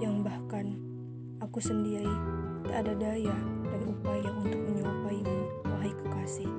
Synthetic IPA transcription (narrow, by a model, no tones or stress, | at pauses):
jaŋbahkan | akusəndiɾit̪aːdadajadaɾiupajaʔunt̪ʊk̚məɲapaiman | aɦaikə̥kasɪh